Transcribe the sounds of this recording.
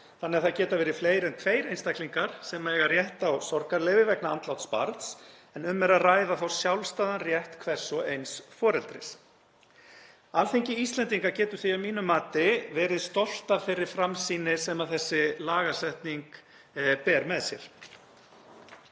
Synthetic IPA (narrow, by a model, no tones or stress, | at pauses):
θanːɪaɾθacɛːt̪avɛːɾɪfleːjɾɛnt̪ʰveːjɾejnst̪akliŋkaɾ̥sɛmaɛɣarjɛht̪awsɔɾkaɾlɛːvɪvɛknaant̪lawt̪spa̰ɾt̪sɛnʏmːɛɾaðraːjðaθawsjawlst̪aːðanrjɛht̪kʰvɛr̥sːɔejnsfɔːɾɛlt̪ɾɪ̰s | alθejɲcɪist̪lɛnt̪iŋkaɾcɛːt̪ʏɾ̥θiawmiːnʏmːaːt̪ɪvɛːɾɪðst̪ɔl̥t̪afɪɾɪɾ̥fɾamsiːnɪsɛmaðθɛsːɪlaːɣasɛht̪niŋk | pɛːɾmɛðsjɛ̰ɾ̥